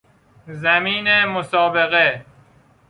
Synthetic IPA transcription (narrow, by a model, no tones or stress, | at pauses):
zæmiːnemosɒːbeɣe